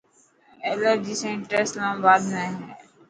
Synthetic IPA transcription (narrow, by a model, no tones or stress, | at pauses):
eːləɾd͡ʒiːsẽːɳʈəɾɪslãːmbaːd̪nẽɦː